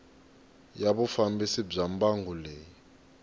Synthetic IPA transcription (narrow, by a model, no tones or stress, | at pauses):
jaβʊfambisɪb͡ʐam̩baŋɡulɛːi